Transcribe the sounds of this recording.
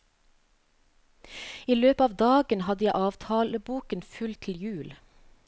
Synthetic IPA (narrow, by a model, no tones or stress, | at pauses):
iːløːpɑːʋd̪ɑːɡənhɑd̪əjæɪʔɑːʋt̪ʰɑːləbuːkənfʉlt̪ʰɪl̩jʉːl